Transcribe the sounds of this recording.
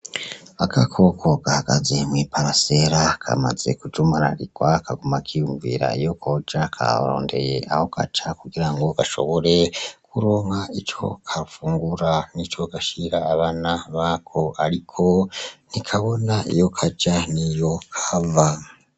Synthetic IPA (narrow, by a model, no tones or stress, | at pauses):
akakʰo̞kʰokahaka̰zemwipaɾaseɾakʰa̰ma̰ze̞̰kud͡ʒumaɾa̰ɾikwakʰaɡomakʰijuɱvḭɾa̰ijo̞kʰod͡ʒakʰa̰ɾo̰ːnde̞̰jḛʔa̰ho̞kʰa̰t͡ʃakuɡiɾaŋɡo̞ɡaʃo̞̰βoɾekʰuɾoŋait͡ʃo̞̰kʰaɾufuːŋɡuɾanit͡ʃo̞kaʃiɾaːβanaβakʰoaɾikʰonikʰaβo̞naʔḭjo̞kʰat͡ʃanijo̞kʰava